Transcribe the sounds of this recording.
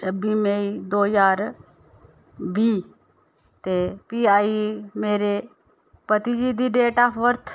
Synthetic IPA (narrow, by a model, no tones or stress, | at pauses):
t͡ʃəbiːmeid̪oːjaːɾ | bʱiː | t̪eːpiaːimeːɾe | pət̪id͡ʒiːd̪iːɖeːʈaːpʰʋəɾt̪ʰ